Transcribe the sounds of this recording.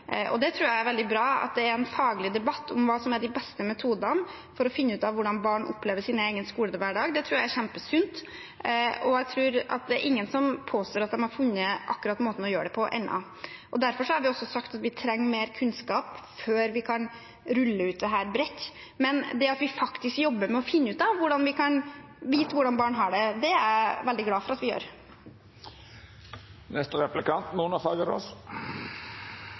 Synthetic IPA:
ʔɔ̰d̪ɛt̪ʰɾʉːɾjæɪæɾʋɛld̪ɪbɾɑːɑ̰t̪̚d̪ɛæɾɛnfɑːɡlɪd̪ɛbɑt̪ːʊmʋɑːsɔmæɖɪbɛst̪əmɛt̪ʰuːd̪ɑn | fɔɾɔfɪnːəʉːt̪ɑʋʋʊɖɑnbɑːɳʔɔ̰pːleːʋəʂiːnəeːɡənəskuːləd̪ʋæːɖɑːɡd̪ɛt̪ʰɾuːɾjæɪæɾçɛmpəsʏnt̪ | ʔɔjæt̪ʰɾʉːɾɑ̰t̪̚d̪ɛæɾʔɪŋːənsɔmpʰoːst̪oːɾɑt̪d̪ɛnhɑɾfʉnːəʔɑ̰kːʉɾɑt̪moːt̪ən̩ɔjøːəɖɛpʰɔʔɛ̰nːɑ̰ | ʔɔd̪æɾfɔʂɔhɑɾʋɪɔsːɔsɑkt̪ɑt̪ʋɪt̪ʰɾɛŋːmeːɾkʰʉnskɑːpføːɾʋɪkʰɑn | ɾʉlːəʉːt̪̚d̪ɛɦæːɾbɾɛt̪ː | mɛnd̪ɛɑt̪ʋɪfɑkt̪ɪskjɔbːəɾmɛɔfɪnːəʉːt̪ɑʋʋʊɖɑnʋɪkʰɑn | ʋiːt̪ʋʊɖɑnbɑːɳɦɑɖɛd̪ɛæɾʋɛld̪ɪɡlɑːfɔɾɑt̪ʋɪjø̰ːɾ | nɛst̪əɾɛplɪkʰɑnt̪nuːənɑfɑːɡəɾɔ̰s

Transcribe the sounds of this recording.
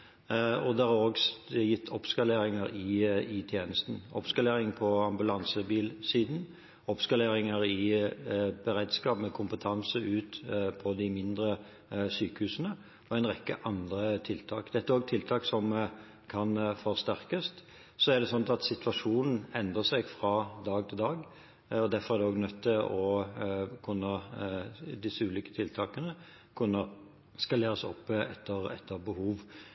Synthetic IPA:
ɔd̪æʁɑʁoːɡjɪt̪ʰːɔpskɑleːɾɪŋəɾɪɪt̪ʰjeːnəst̪n̩ɔ̰pskɑleːɾɪŋpʰɔɑmbʉlɑnsəbiːlsiːd̪n̩ | ɔpskɑleːɾɪŋəɾɪ | bəɾeːd̪skɑːpmɛkʰʊmpət̪ʰɑnsəʔʉːt̪pʰɔd̪ɪmɪnd̪ɾə | syːkəhʉːsənə | ɔæɛɪnʁɛkːəʔɑnd̪ɾət̪ʰɪlt̪ʰɑːkd̪ɛt̪ːəɾoːɡt̪ʰɪlt̪ʰɑːksɔm | kʰɑnfɔʁst̪æɾkəst̪ | sɔæʁd̪ɛsɔnt̪ɑt̪sɪt̪ʋɑʂuːnn̩ɛnd̪ɾəsɛɡfʁɑd̪ɑːɡt̪ʰɪld̪ɑːɡ | ɔd̪æɾfɔɾæʁd̪ɛoːɡnœt̪ʰːɪlʔɔ | kʰʉnːə | d̪ɪsːəʉːliːkə̥t̪ʰɪlt̪ʰɑːkənə | kʰʉnːə | skɑleːɾəsɔ̰pːɛt̪ːəɾɛt̪ʰːəɾbəhuːʋ

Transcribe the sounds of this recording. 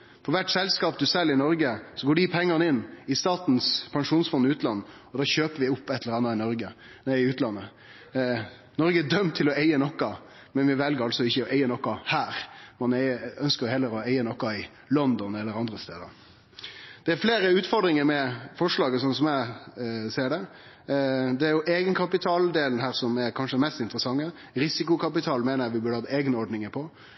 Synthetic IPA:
fɔɾʋæʈsɛlskɑːpd̪ʉsɛlːɪnɔɾɡəsɔɡoːɖipʰɛŋːɑnɪnːɪst̪ɑːt̪nspʰɑŋʂuːnsfɔnːɪʉːt̪lɑnː | ɔd̪ɑːɕøːpəɾʋɪʊpːɛt̪ʰːləɾɑnːɑɪnɔɾɡə | næɪɪʉːt̪lɑnːə | nɔɾɡəd̪œmːt̪ʰɪlɔeɪənɔkːɑ | mɛnʋɪʋɛlɡəɾɑlsɔɪçːəɔʔeɪənɔkːɑhæːɾmɑnɛœnskəɾjhɛlːəɾɔeɪənɔkːɑɪ | lɔnd̪ɔnɛlːəɾɑnd̪ɾəst̪ḛːd̪ə | d̪̥ɛæɾfleːɾəʉːt̪fɔɾɖ̪ɾɪŋəɾmɛfɔʂɭɑːɡəsɔnsɔmæɪseːɖɛ | d̪ɛæɾjʊʔeːɡənkʰɑpɪt̪ʰɑːld̪eːln̩ɦæːɾsɔmɛɾkʰɑnʂəmɛst̪ɪnt̪əɾəsɑŋːə | ɾɪsɪkʊkʰɑpɪt̪ʰɑːlmeːnəjæʋɪbʉɖəhɑt̪ːeːɡənəɔɾɖnɪŋəpʰɔ

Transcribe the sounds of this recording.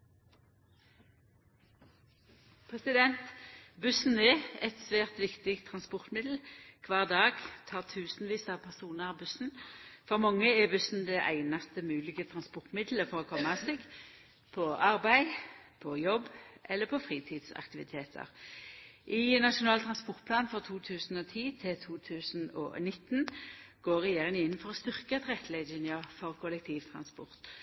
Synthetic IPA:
pʰʁɛsɪd̪ɛnt̪bʉsn̩ɛɛt̪sʋæːʁt̪ʋɪkt̪ɪkt̪ʰʁɑnspɔʁt̪mɪd̪l̩kʰʋɑːʁd̪ɑːɡt̪ʰɑːt̪ʰʉːsn̩ʋiːsɑʋpʰæʁsuːnəʁbʉsn̩fɔʁmɑŋːəɛbʉsn̩d̪ɛʔæ̰ɪnɑst̪əmʉːlɪɡət̪ʰʁɑnspɔʁt̪mɪd̪ləfɔʁɔːkʰɔmɑseːɡ | pʰɔɑʁbæɪpʰɔjɔbːʔɛlːəpʰɔfʁiːt̪ʰiːd̪sɑ̰kt̪ɪʋɪt̪ʰeːt̪ʰə̰ʁ | ʔɪnɑʂʊnɑːlt̪ʰʁɑnspɔʁt̪̚pʰlɑːnfɔʁt̪ʰuːt̪ʰʉːsn̩ɔt̪ʰiːt̪ʰɪlt̪ʰuːt̪ʰʉːsn̩ɔ̰nɪt̪ːnɡ̥oːʁɛjeːʁɪŋɪnːn̩fɔʁɔst̪ʏʁkət̪ʁɛt̪ʰlæɪɪnɪəfɔʁkʰʊlɛk̚t̪ʰiːʋt̪ʰʁɑ̰nspɔʁt̪

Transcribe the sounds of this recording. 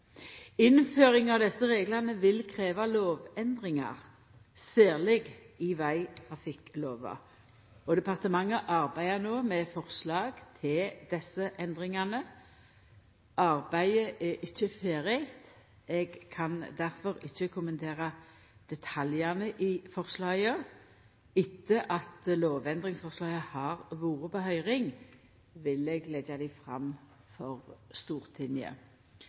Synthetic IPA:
ɪnføːɾɪŋɑʋd̪ɛsːəʁeːɡlɑnəʋɪlkʰʁeːʋɑloːʋɛnd̪ʁɪŋɑ̰ʁ | seːʁlɪɡ | iʋæɪɑfɪkloːʋɑ̰ | ɔd̪ɛpɑʁt̪əmɑŋːəʔɑʁbæɪənoːmɛfɔʁslɑːɡt̪ʰɪld̪̥ɛsːəʔɛnd̪ɾɪŋɑnə | ʔɑʁbæɪəʔɛɪçːəfeːɾɪt̪ | ɛɡkʰɑnd̪æɾfɔɾɪçːəkʰʊmənt̪ʰeːʁɑ | d̪̥ɛt̪ʰɑljɑnəʔɪfɔʁslɑːɡə | ɪt̪ʰːəʔɑt̪loːʋɛnd̪ʁɪŋsfɔʁslɑːɡəhɑːʁʋuːʁəpɔhœʏʁɪŋ | ʋɪlɛɡlɛɡɑd̪æɪfʁɑ̰m | fɔʁst̪uːʁt̪ʰɪnɪə̰

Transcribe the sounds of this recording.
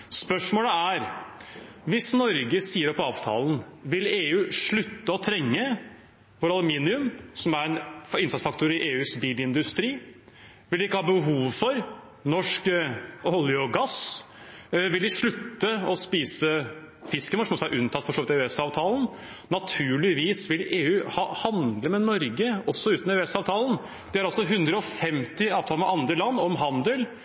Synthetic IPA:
spœʂmoːləæɾ | ʋɪsnɔɾɡəsiːəɾɔpɑːʋt̪ʰɑ̰ːln̩ʋɪleːʉːʂɭʉt̪ːəɔt̪ʰɾɛŋːə | ʋɔɾɑlmiːnɪʉmsɔmæɾɛnɪnsɑt̪sfɑkt̪ʊɾɪʔeːʉːsbiːlɪnd̪ʉst̪ɾiː | ʋɪld̪ɛɪkːəhɑːbəɦuːʋfɔɾ | nɔʂkɔljɔɡɑs | ʋɪld̪ɪʂɭʉt̪ːəɔspiːsə | fɪskənɔʂɔmɔsæʔʉnt̪ʰɑt̪ːfɔɾʂoːʋɪt̪ɛɛsɑːʋt̪ʰɑːln | nɑt̪ʰʉːɭɪʋiːsʋɪleːʉːhɑːhɑnd̪ləmɛnɔɾɡəɔsːɔʉːt̪n̩ɛʉɛsɑːʋt̪ʰɑːlən̩ | d̪̥ɛæɾɑlsɔɦʉnd̪ɾəɔfɛmt̪ɪɑːʋt̪ʰɑːləmɛʔɑnd̪ɾəlɑnːɔmɦɑnd̪əl

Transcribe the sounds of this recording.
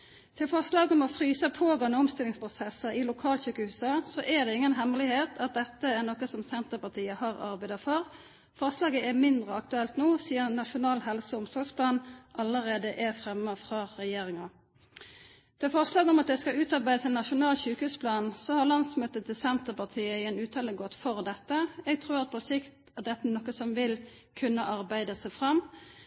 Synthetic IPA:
t̪ʰɪlfɔʁslɑːɡɔmɔfʁyːsɑpʰoːɡɑnːəɔmst̪ɪlɪŋspʰʁʊsɛsəɪlʊkʰɑːlçʉːkəhʉːsɑsɔʔæd̪ɛɪŋːənɦɛmlɪheːt̪ʰɑt̪̚d̪ɛt̪ːəæʁnɔkəsɔmsɛnt̪əpɑʁt̪ʰiːəhɑːʁɑ̰ʁbæɪd̪ɑfɔʁ | fɔʁslɑːɡəʔæʁmɪnd̪ʁəɑkt̪ʉɛlt̪noːsiːəʁnɑʂʊnɑːlɦɛlsəʊmsʰɔspʰlɑːnʔɑləʁeːd̪əʔæʁfʁɛmːəfʁɑʁɛjeːʁɪŋɑ | d̪̥ɛfɔʁslɑːɡɔmɑt̪̚d̪ɛskɑʉːt̪ɑʁbæɪd̪əsɛnːɑʂʊnɑːlçʉːkʉspʰlɑːnsɔhɑʁlɑnsmøːt̪ət̪ʰːɪlsɛnt̪əpɑʁt̪ʰiːəɪɛnʉːt̪ʰɑːləɡɔt̪ːfɔʁd̪ɛt̪ːəɛɡ̚t̪ʰʁuːɾʁɑt̪̚pʰɔsɪkt̪ | æd̪ɛt̪ːənɔkːəsɔmʋɪlkʰʉnːəʔɑʁbæɪd̪əsɛfʁɑm

